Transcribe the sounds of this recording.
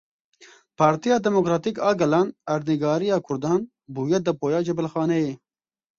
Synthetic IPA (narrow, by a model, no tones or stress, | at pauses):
pɑːɾt̪ijɑːd̪ɛmokɾɑːt̪ikɑːɡɐlɑːnɐɾniɡɑːɾijɑːkʰʊɾd̪ɑːn | buːjɛd̪ɐpoːjɑːd͡ʒɛbɪlxɑːnɛjeː